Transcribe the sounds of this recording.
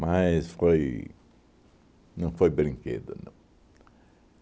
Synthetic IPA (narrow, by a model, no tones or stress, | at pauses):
majsfoj | nɐ̃w̃fojbɾĩŋkḛd̪ɐ̰nɐ̰̃w̃